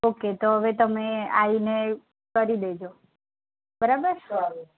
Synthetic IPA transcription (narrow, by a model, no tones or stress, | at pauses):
oket̪oɦəʋet̪əmea̰ine | kəɾid̪ed͡ʒo | bəɾabəɾ